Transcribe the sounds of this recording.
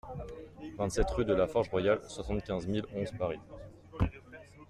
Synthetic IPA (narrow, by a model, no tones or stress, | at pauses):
vɛ̃t̪sɛt̪ʁyd̪əlafɔʁʒʁwajalswasɑ̃t̪̚kʲɛ̃zmilɔ̃zpaʁi